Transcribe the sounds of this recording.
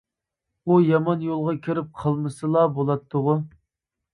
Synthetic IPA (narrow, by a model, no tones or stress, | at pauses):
ujɑmɑnjolˠʁɑkʲʰiɾɪp̚qʰəlˠmɨsɨlˠɑbolˠɑt̪ʰːʊʁʊ